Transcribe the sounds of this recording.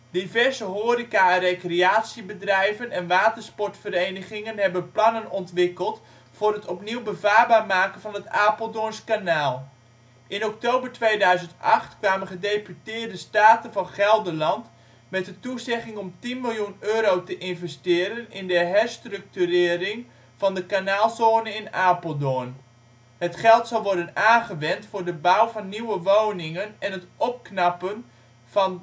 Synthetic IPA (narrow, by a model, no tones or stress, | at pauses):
divɛrzəɦoːɾikarejkreaːtsibədrɛjvənɛnʋaːtərspɔrtfəɾejnəχɪŋənɦɛbənplɑnənɔntʋɪkəlˠt | fʊːrɦətɔpniwbəvaːrbaːrmaːkənvɑnɦətaːpəlˠdonskanaːlˠ | ʔɪnɔktoːbərtʋejdœɥzəntɑχtkʋaːmənχədejpytɪːrdəstaːtənvɑnχɛlˠdəlɑnt | mɛt̚dətuzɛχɪŋɔmtinmɪlˠjunøːɾowtəʔɪnvɛstɪːɾənɪndəɦɛrstrɵk̚tyrɪːɾɪŋ | v̥ɑndəkanaːlˠsoːnəɪnaːpolˠdon | hətχɛlˠtsɑlˠʋɔɹdənaːnχəʋɛntfʊːrdəbawvɑnːiwəʋownɪŋənɛnɦətʔɔp̚knapən | vɑn